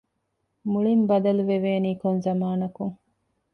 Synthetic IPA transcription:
muɭimbɐd̪ɐluʋeʋeːniːkonzɐmaːnɐkuŋ

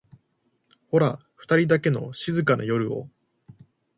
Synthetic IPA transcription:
ho̞ɾaɸɯ̟̥t̪aɾʲid̪ake̞no̞̰ɕizɨkana̰jo̞ɾɯ̟o̞̰

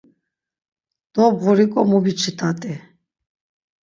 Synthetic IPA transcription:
d̪̥ɔbʁuɾikʼɔmubit͡ʃʰit̪ʰʼat̪ʼi

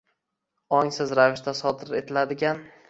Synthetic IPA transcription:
ɒŋsɪzɾavɪʃt̪asɒd̪ɪɾe̞t̪ʰɪlad̪ɪɡʲan

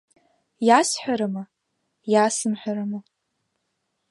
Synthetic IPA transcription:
jasħʷᶣaɾɨma | jasɨmħʷᶣaɾama

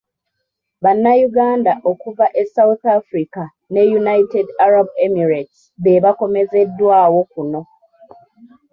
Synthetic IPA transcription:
βanːajuɡaːndaʔo̞kuvaʔe̞sauθafɾika | ne̞junajitedaɾabemiɾet | βe̞βako̞me̞ze̞dːwaːwo̞kuno̞

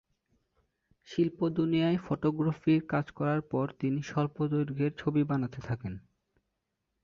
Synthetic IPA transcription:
ʃilpod̪unijaefoʈoɡɾafiɾkad͡ʑkɔɾaɾpɔɾt̪iniʃɔɾpod̪oɾɡʱeɾt͡ɕʰobibanat̪et̪ʰaken

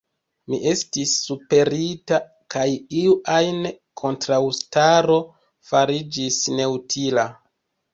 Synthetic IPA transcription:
mḭʔe̞stisːupe̞ɾita | kʰajiuʔajne | kʰo̞ntɾawstaɾo̞ | faɾid͡ʒisne̞utʰila

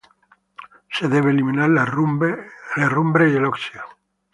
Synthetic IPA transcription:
seðeβ̞elimĩnaɾ | lerumbɾejeloksia

